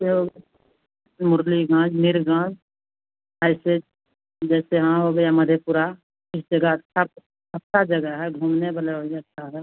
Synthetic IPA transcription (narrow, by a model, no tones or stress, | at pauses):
eɦo | mʊɾliɡãːd͡ʒnɪɾɡãːd͡ʒ | ɛːse | d͡ʒɛːseɦãɦoɡjaməd̪ʱjepʊɾa | kɪsd͡ʒəɡəətːʃʰa | ətːʃʰad͡ʒəɡəɦɛɡʱuːmnebaleɦoɡeɐtːʃʰaɦɛː